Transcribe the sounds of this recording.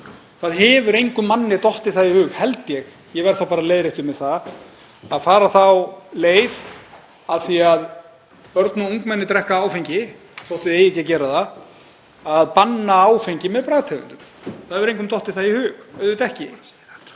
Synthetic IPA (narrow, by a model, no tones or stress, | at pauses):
θaðɦɛːvʏɾejŋkʏmːanːɪt̪ɔht̪ɪθaðihʏːɣhɛlt̪jɛɣ | jɛvɛɾ̥θawpaːɾaleːjðɾɪht̪ʏmɛðθa | aðfaːɾaθawleːjð | aðsijaað | pœɾt̪nʏuŋkmɛnːɪt̪ɾɛhkaaːwfejɲcɪ | θowht̪ʏðejɛcɛcɛːɾaða | aðpanːaaːwfejɲcɪmɛðpɾajt̪ʰɛvʏnt̪ʏmθahɛvʏɾejŋk̬ʏmt̪ɔht̪ɪθaðihʏːxœðvɪt̪ɛhcɪ